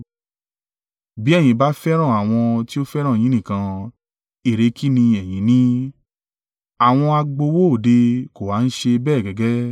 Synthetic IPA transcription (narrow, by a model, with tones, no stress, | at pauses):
bi˦ɛ˦˨j̃ĩ˧ba˨˦fɛ˦ɾ̃ã˦˨a˨w̃ɔ̃˧ti˦o˦fɛ˦ɾ̃ã˦˨ĩ˨˦nĩ˦˨kã˧ | e˦˨ɾe˧˦kʰi˦nĩ˧ɛ˨j̃ĩ˨˦nĩ˦ | a˦˨w̃ɔ̃˧a˧ɡ͡bo˧wo˦o˨de˧ko˨wa˨˦n̩˦ʃe˧bɛː˦˨ɡɛ˨ɡɛ˦